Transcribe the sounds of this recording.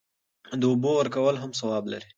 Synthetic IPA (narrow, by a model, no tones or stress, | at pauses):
d̪əʊbowəɾkawəlɦams̬awɑbla̰ɾi